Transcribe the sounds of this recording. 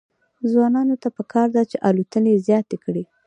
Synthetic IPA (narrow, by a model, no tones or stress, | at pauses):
zwɑnɑnot̪apəkʰɑɾd̪at͡ʃeʔalut̪ənezjɑt̪ekɽi